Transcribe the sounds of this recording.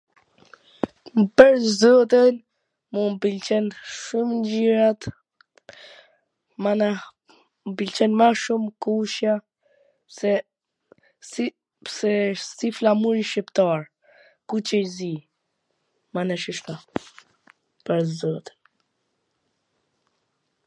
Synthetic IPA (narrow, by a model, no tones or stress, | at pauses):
pəɾzɔt̪in | mumbilt͡ʃɛnʃumnd͡ʑiɾat̪ | mana | mbilt͡ʃɛnmaʃumkuʃja | ɛ | s | sɛsiflamuɾiʃipt̪aɾ | kut͡ʃɛjzi | manɛʃiʃt̪a | pəɾzɔt̪i̥n